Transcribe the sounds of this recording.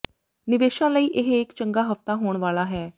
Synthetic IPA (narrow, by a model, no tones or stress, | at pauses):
nɪʋeːʃãːləiːʔɪɦɪkt͡ʃə̃ŋɡaːɦəft̪aːɦoːɳʋaːlaːɦɛː